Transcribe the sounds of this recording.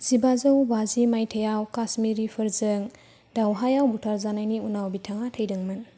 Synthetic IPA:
z̥ibazowbazimajtʰəjawkasmiɾipʰɯɾzɯŋ | dawɦajawbutʰaɾzanajniunawbitʰaŋatʰəjdɯŋmɯn

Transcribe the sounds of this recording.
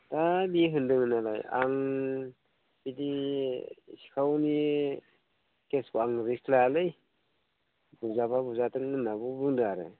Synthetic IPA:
tabiɦɯndɯŋɯnala̰ja̰ŋ | bidi | si̥kʰawni | keskuaŋɾisʰlalɯj | buzababuzatɯŋɯnːabubɯŋdaɾɯ̰

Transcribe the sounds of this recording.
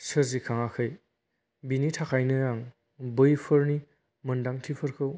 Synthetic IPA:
sɯzikʰaŋakʰɯj | binitʰakʰajnɯɾaŋ | bɯjpʰɯɾni | mɯndaŋtʰipʰɯɾkʰɯw

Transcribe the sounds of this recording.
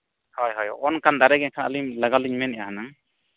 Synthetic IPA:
hɔjɦɔj̰ɔnkand̪aɾɛɡɛnkʰanalimlaɡaliɲmɛnɛʔaɦana

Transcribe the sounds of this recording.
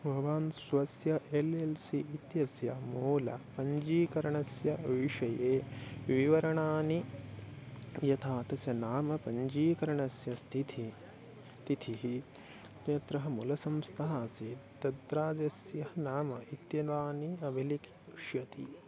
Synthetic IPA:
bʱɐʋaːnsʋɐsjɐʔelelsiit̪jɐsjɐmuːlɐpɐɲd͡ʒiːkɐɾɐɳɐsjɐɐʋiʃɐjeːʋiʋɐɾɐɳaːni | jɐt̪ʰaːt̪ɐsjɐnaːmɐpɐɲd͡ʒiːkɐɾɐɳɐsjɐst̪ʰit̪ʰi | t̪it̪ʰiɦi | t̪jɐt̪ɾɐɦɐmulɐsɐmst̪ʰɐɦaːsid̪ɐd̪ɾaːd͡ʒɐsjɐɦɐnaːmɐit̪jɐʋaːniɐbʱilik | ʃjɐt̪ḭ

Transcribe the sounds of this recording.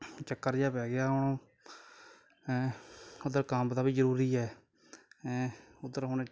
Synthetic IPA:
t͡ʃəkːəɾd͡ʒaːpɛːɡɪaːɦʊɳõː | ʊd̪əɾkamd̪aːbiːzəɾuːɾiːɛː | ʊd̪əɾɦʊɳe

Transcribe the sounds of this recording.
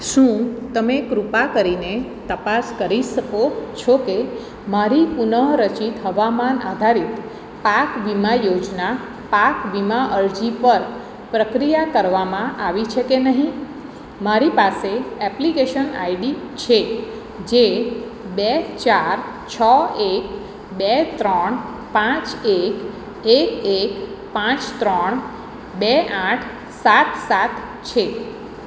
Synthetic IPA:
ʃũt̪əmekɾupakəɾine | t̪əpaskəɾiʃəkot͡ʃʰoke | maɾipunəɦɾət͡ʃit̪ɦəʋamana̰d̪ʱaɾit̪ | pakʋimajod͡ʒna | pakʋimaʔəɭd͡ʒipəɾ | pɾəkɾijakəɾʋamãʔaʋit͡ʃʰekenəɦĩ | maɾipaseɛplikeʃəna̰iɖi | t͡ʃʰe | d͡ʒe | bet͡ʃaɾ | t͡ʃʰəek̚ | bet̪ɾəɳ | pãt͡ʃek | ekek | pãt͡ʃt̪ɾəɳ | beaʈʰ | sat̪ʰsat̪ʰ | t͡ʃʰe

